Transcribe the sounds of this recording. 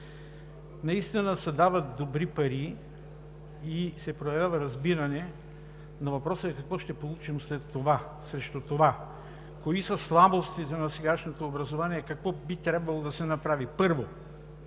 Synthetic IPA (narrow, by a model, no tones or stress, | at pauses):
nɐist̪inəsɐd̪avɐt̪̚d̪obɾipɐɾi | isɛpɾojɐvʲjavɐɾɐzbiɾɐnɛ | nɐvɐpɾɔsəɛkɐkvɔʃt̪ɛpolˠut͡ʃimslɛt̪ːova | sɾɛʃt̪ut̪ova | koisɐslˠabost̪it̪ɛnɐsɛɡaʃnot̪oːbɾɐzovaniɛkɐkvɔbit̪ɾʲabvɐlˠod̪ɐsɛnɐpɾavipɤɾvo